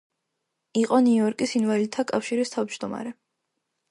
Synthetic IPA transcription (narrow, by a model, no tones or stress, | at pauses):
iqʼɔniɔɾkʼisinvɛlit̪ʰːakʼafʃiɾist̪ʰavd͡ʒd̪ɔma̰ɾɛ